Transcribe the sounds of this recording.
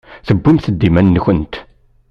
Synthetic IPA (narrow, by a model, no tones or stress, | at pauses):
θəbːimθəd̪ːimænːçənt̪